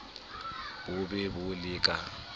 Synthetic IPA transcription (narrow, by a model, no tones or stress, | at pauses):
wʊbɛbʊlɪːkʼa